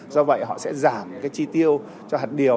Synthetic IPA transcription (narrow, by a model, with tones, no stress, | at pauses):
zɔ˧və̰˧˨jɦɔ̰˧˨sɛ̰˧˥zaː˧˩mkaː˨˦jt͡ɕi˧t̪i˧əw | t͡ɕɔ˧ɦaː˨˩t̚ɗi˨˩ə